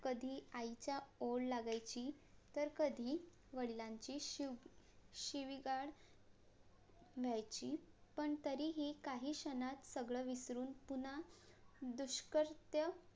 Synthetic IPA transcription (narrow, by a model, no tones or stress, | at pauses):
kəd̪ʱiːajt͡ɕjaoɽlaɡajt͡ɕiː | t̪əɾkəd̪ʱiː | ʋəɭilaɲt͡ɕiː | ɕiʋiɡaɽ | ʋʱjajt͡ɕiːpəɳt̪əɾiːɦikaɦiːɕənat̪səɡɭəʋisɾuːnpun̤a | d̪uɕkəɾt̪jə